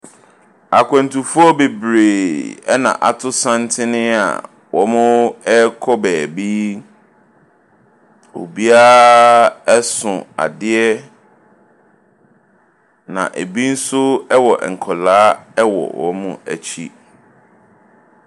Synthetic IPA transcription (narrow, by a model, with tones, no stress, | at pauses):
a˨kʷʰɛ̃˨n˨tʰũ˨fʊ˦ɔ˦be˨bɾeː˨ɛ˦nã̰˨ʔa˨tʰʊ˦sã˦n˦tʰɪ˦nɪ̃˦a̰˨ | wɔ˦mʊ̃˦ɛ˦kʰɔ˦bɛː˨bi˦ | o̰˨bi˦a˦ | ɛ˦sʊ̃˨a̰˨dɪ˦ɛ˦ | nã̰˨ʔe˨bi˦n̩˦sʊ˦ɛ˦wɔ˨ʔɛ˨ŋ̩˨kʰɔ˨laː˦ɛ˦wɔ̰˨wɔ̰˦mʊ̰̃˦æ˨t͡ɕʰi˦